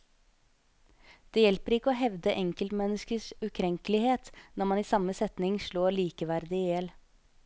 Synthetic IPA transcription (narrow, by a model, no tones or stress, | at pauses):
d̪̥eːjɛlpəɾɪkːəoːɦɛʋd̪əʔɛŋkəlt̪mɛnːəskəsʉkʰɾɛŋkəlɪheːt̪nɔɾmɑniːsɑməsɛt̪nɪŋʃɭoːɾɭiːkəʋæɾd̪ɪɛl